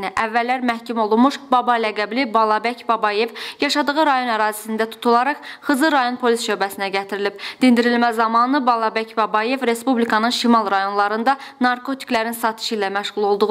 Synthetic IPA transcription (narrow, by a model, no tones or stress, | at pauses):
niʔævːælːæɾmæhcʰimo̞lˠunmuʃbɑbɑlæɡæblibɑlˠɑbæcbɑbɑje̞vjɑʃɑd̪ɯɣɯɾɑjo̞næɾɑːzisind̪æt̪ʰu̥t̪ʰulˠɑɾɑχχɯzɯɾɑjo̞npʰo̞lisʃø̞bæsinæɟæt̪ʰiɾilib̥̚d̪̥ind̪iɾilmæzɑmɑnɯbɑlˠɑbæcbɑbɑje̞vɾe̞spublikʰɑnɯnʃimɑlˠɾɑjo̞nlˠɑɾɯnd̪ɑ | nɑɾkʰo̞t̪ʰi̥klæɾinsɑt̪ʰɯ̥ʃilæmæʃʁulˠo̞lˠd̪uʁ